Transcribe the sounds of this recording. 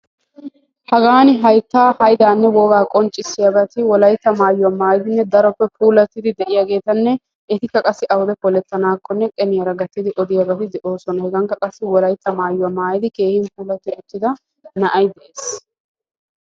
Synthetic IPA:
hɐɡaːnɪɦɐjt̪ːaːhɐjd̪aːnːɛwɔːɡaːkʼɔnt͡ʃʼːɪsːɪjabɐt̪ɪwɔlɐjt̪ːɐmaːjʊɐmːaːjɪd̪ɪnːɛd̪ɐɾɔpːɛpʰuːlɐt̪ːɪd̪ɪd̪ɛʔɪjaːɡe̞ːt̪ɐnːɛ | ʔɛt̪ɪkːɐkʼɐsːɪʔɐwʊd̪ɛkɔlɛt̪ːɐnaːkːɔnːɛkʼɛnɪjɐɾɐɡɐt̪ːɪd̪ɪʔɔd̪ɪjabɐt̪ɪd̪ɛʔo̞ːsɔnɐhɛɡɐŋkːɐkʼɐsːɪwɔlɐjt̪ːɐmaːjʊwɐmːaːjɪd̪ɪke̞ːhɪnpuːlɐt̪ːɪʊt̪ːɪd̪ɐ | nɐʔɐjd̪ɛʔeːs

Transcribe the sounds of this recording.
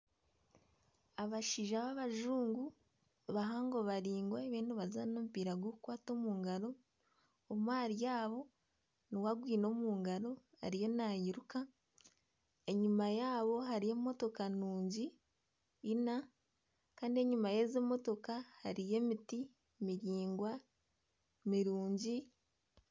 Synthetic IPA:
aβaʃiːʒaβaβaʒuːŋɡu | βaɦaŋɡo̞βaɾiːŋɡwaeβiːnduβazaɾnomupiːɾaɡwokukwaːto̞muːŋɡaɾo̞ː | mwaːɾijaːβo̞ | niwaɡwiːno̞muːŋɡaɾo̞ | a̰ɾijo̞najiɾuka | e̞ɲumajaːβo̞ɦaɾije̞mːo̞to̞kanuːɲɟiː | na | kaːndie̞ɲumaje̞zemːo̞to̞kahaɾije̞miti | miɾiːŋɡwa | miɾuːɲɟi

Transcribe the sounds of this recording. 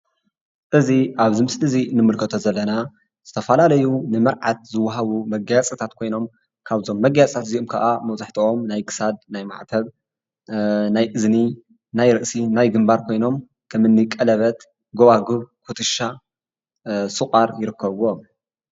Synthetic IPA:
ʔɨziʔaβzɨmɨslɨzinɨmɨlkʰɐt̪ʰo̞zɐlːɐna | z̥ɨt̪ʰɐfɐlalɐjunɨmɨɾʕat̪̚zɨwːɐɦaβumɐɡjat͡sʼɐt̪ʰat̪kʰo̞jno̞m | kʰaβzo̞mːɐɡjat͡sʼt̪ʰat̪ziʔomkʰaʔamɐwzaħt̪ʰiʔo̞mnajkʰɨ̥sad̪̚najma̰ʕt̪ʰɐβ | najʔɨzni | najɾɨʔsinajɡɨmbaɾkʰo̞jno̞m | kʰɐmɨnːɨkʼɐlɐβɐt̪ | ɡoβaɡuβkʰut̪ʰɨʃa | sʼɨχʼaɾjɪɾɨkːɐβuom

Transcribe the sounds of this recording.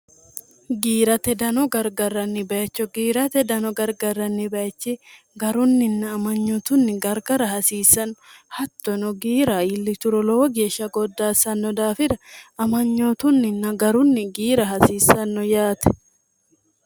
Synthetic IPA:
ɡiːɾɐt̪ɛd̪ɐnɔɡɐɾɡɐrːɐnːɪbɐjɐt͡ʃːɔɡiːɾɐt̪ɛd̪ɐnɔɡɐɾɡɐrːɐnːɪbɐjɐt͡ʃːɪ | ɡɐɾʊnːɪnːɐːmɐɲːɔt̪ʊnːɪɡɐɾɡɐɾɐɦɐsiːsːɐnhɐt̪ːɔnɔɡiːɾaːɪlːɪt̪ʊɾɔlɔwɔɡeːʃɐɡɔd̪ːaːsɐnːɔd̪aːfɪd̪ɐɐmɐɲːɔt̪ʊnːɪnːɐɡɐɾʊnːɪɡiːɾɐɦɐsiːsɐnːɔjaːt̪ɛ̥

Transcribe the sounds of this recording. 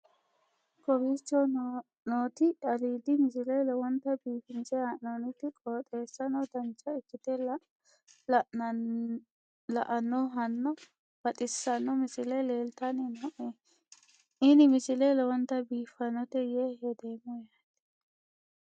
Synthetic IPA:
kɔbiːt͡ʃːɔ | noːt̪ɪʔɐɾiːd̪ɪmɪsɪlɛlɛwɔnt̪ːɐbiːfɪnt͡ʃɛaʔnonɪt̪ːɪkʼoːt̪ʼeːsːɐnɔd̪ɐnt͡ʃːɐɪkːɪt̪ɛl | l | lɐʔɐnːɔɦɐnːɔ | b̥ɐt̪ʼɪsːɐnːɔmɪsɪlɛleːlt̪ɐnɪnɔʔe | ʔɪnɪmɪsɪlelɔwɔnt̪ːɐbiːfɐnːɔt̪ɛjehɛd̪e̞ːmɔjaːt̪ɪ̥

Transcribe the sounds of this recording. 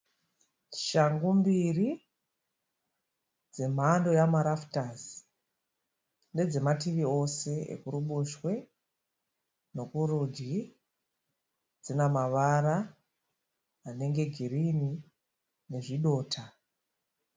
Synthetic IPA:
ʃaŋɡumbiri | d͡ze̞m̤andojamaɾaftaz | ne̞d͡ze̞matiʋio̞se̞ḛkuɾuɓuʃwe̞ | no̞kurud͡ʒi | d͡zinamaʋaɾa | ne̞ŋɡe̞ɡʱiɾini | ne̞ʐiɗo̞ːtʰa

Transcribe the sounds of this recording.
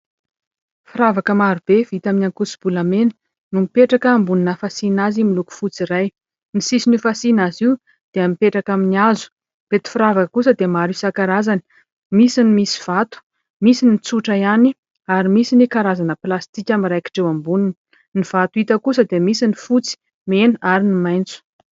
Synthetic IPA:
fiɾavakəmaɾub̥evit̪aminaŋkusi̥b̥ulamenə̥ | numipeʈ͡ʂakəːmbuninəfasinazimiluku̥fut͡siɾaj | nisisinufasinaziw | d̪̥eamipeʈ͡ʂakaminiazu̥ | b̥et̪i̥fiɾavakəkusəd̪emaɾisakaɾazani̥ | misinimisi̥v̥at̪u̥ | misinit͡suʈ͡ʂaiani | aɾimisinikaɾazanəplast̪ikʲamiɾajki̥ʈ͡ʂewambunini | niv̥at̪uit̪əkusəd̪emisinifut͡si̥ | menaɾinimajnt͡su̥

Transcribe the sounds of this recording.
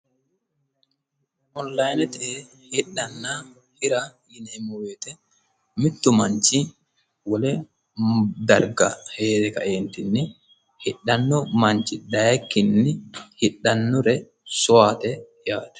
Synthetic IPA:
ʔɔnlɐjnɛt̪ɛe | hɪɗːɐnːa | hɪɾa | jɪnɛɛmːɔweːt̪ɛ | mɪt̪ːʊmɐnt͡ʃɪ | wɔlɛ | d̪ɐɾɡɐ̰heːt̪ɛkɐ̰ʔeːnt̪ɪnːɪ | hɪɗːɐnːɔmɐɲt͡ʃːɪd̪ɐjɐkːɪnːɪhɪɗːɐnːɔɾɛ | sɔaːt̪ɛ | jaːt̪ɛ̥

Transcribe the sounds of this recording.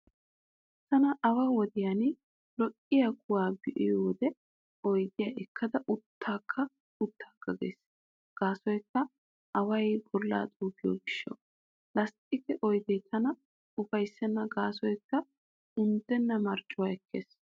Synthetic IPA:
t̪ɐnɐʔɐwawɔd̪ɪjanɪ | lɔkʼːɪjakʼʊwaːbɪʔɪ̰joːd̪ɛ | ɔjd̪ɪjaʔɛkʰːɐd̪ɐʔʊt̪ːaːkʰːɐ | ʊt̪ːaːkːɐɡḛːs | ɡ̥aːsɔjkːɐ | ɐwɐjbɔlːa̰ːt̪ʼuːɡɪjo̰ːɡɪʃːɐ̰ | lɐstʼɪkɛʔɔjd̪ɛjt̪ʰɐnɐ | ʊfɐjsːɛnːɐɡaːsɔjkːɐ | ʊnd̪ɛnːɐmɐɾt͡ʃʼːʊwaɛkːḛːs

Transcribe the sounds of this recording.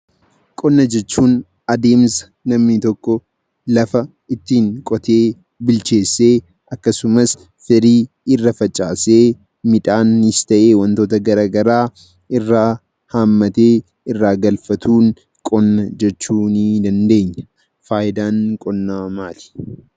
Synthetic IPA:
kʼɔnːɐd͡ʒɛt͡ʃːuːn | ɐd̪e̞ːmsɐ̥ | nɐmnit̪ɔkːɔ | lɐfɐ | ɪt̪ːiːŋkʼɔt̪e̞ː | bɪlt͡ʃe̞ːsːe̞ː | ɐkːɐsʊmɐs | fɪɾiː | ɪrːɐfɐt͡ʃʼːaːseː | mɪᶑaːnːɪst̪ɐʔe̞ːwɐnt̪o̞ːt̪ɐɡɐɾaːɡɐɾaː | ɪrːaː | haːmːɐt̪eː | ɪrːaːɡɐlfɐt̪ʰuːŋ | kʼɔnːɐd͡ʒɛt͡ʃːuːniːd̪ɐnd̪e̞ːɲːɐ̥ | faːjɪd̪aːnkʼɔnːamaːt̪ɪ̥

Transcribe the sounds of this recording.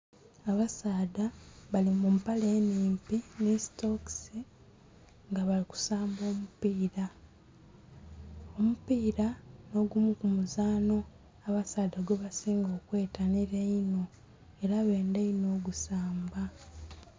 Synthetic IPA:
aβasaːdaβalimumpaleːniːmpinesto̞ksi | ŋɡaβaliku̥saːmbo̞ːmupiːɾa | o̞mupiːɾano̞ɡumukumuzaːno̞ | aβasaːdaɡweβasiːŋɡo̞ːkwe̞ːtaniɾeino̞ | eɾaβe̞ːndeino̞ːɡusaːmba

